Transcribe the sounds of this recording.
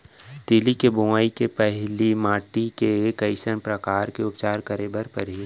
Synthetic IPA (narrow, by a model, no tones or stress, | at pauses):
t̪ɪlikebʊmaːikepɛɦlimaːʈikekəɪsənpɾɐkaːɾkeʊpt͡ʃaːɾkəɾebəɾpɐɾɦi